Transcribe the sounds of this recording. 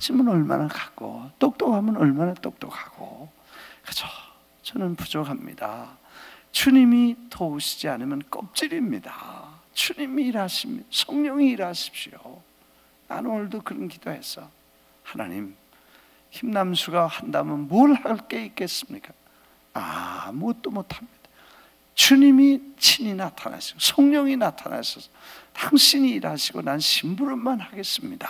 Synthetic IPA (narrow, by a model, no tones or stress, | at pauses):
t͡ɕʰimanʌɭma̰nakḁk͈o̰t͈ok̚t͈okhamjʌnʌɭmanat͈ok̚t͈okhaɡ̥o̰ | kɯt͡ɕʰo̥ | t͡ɕʌnɯnpud͡ʑokɦamɲḭda | t͡ɕuɲimitʰouɕʰi̥d͡ʑianɯmjʌnk͈ʌp̚t͡ɕ͈iɾimɲida̰ | t͡ɕuɲimiːɾaɕʰimɲsʰʌŋɲʌŋiːɾaɕʰi̥p̚ɕio | na̰nnwʌɭdokɯɾʌnkid̥ohe̞s͈ʌ | hana̰ɲim | çimnamsʰuɡahandamɯnmoɭhaɭk͈e̞ik͈e̞s͈ɯmɲik͈ḁ | a̰muɡʌt̚t͈omotʰamɲid̥ḁ | t͡ɕuɲimit͡ɕʰiɲinatʰana̰ɕʰi̥ɡosʰʌŋɲʌŋinatʰana̰sʰʌsʌ | taŋɕʰiɲiːɾaɕʰiɡonanɕʰimbuɾɯɭmanhaɡe̞s͈ɯmɲidḁ